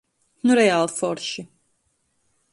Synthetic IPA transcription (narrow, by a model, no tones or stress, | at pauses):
nuɾɛalˠfɔɾʃi